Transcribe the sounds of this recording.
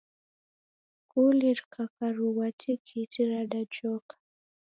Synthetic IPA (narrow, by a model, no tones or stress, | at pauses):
kuliɾkʰakaɾuwatʰikʰitiɾadad͡ʒɔkḁ